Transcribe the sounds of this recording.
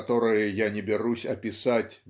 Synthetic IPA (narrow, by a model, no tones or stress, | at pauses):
t̪ɔɾɨjəjanʲɪbʲɪɾusʲɐpʲɪsatʲ